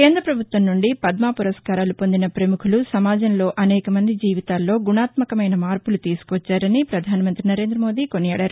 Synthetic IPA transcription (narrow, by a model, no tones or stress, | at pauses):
ke̞ːnd̪ɾɐpɾɐbʱut̪ʋɐmnuɳɖipɐd̪maːpuɾɐskaːɾaːlupo̞nd̪inɐpɾɐmukʰulusɐmaːd͡ʒɐnlo̞ːʔɐnɛːkɐmɐnd̪id͡ʒiːʋit̪aːlːo̞ːɡunaːt̪mɐkɐmɐjnɐmaːɾpulut̪iːsu̥kʋɐt͡ʃːaːɾɐnipɾɐd̪ʱaːnimɐnt̪ɾinɐɾe̞ːnd̪ɾɐmo̞ːd̪iːkonijaːɽaːɾu